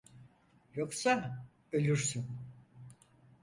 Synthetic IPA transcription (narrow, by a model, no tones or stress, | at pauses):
joksa | ølʲyɾsyn